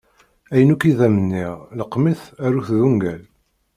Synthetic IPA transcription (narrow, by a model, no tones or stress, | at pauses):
æjənukiðæmənːiʁləqːmiθæɾuθðuŋɡæl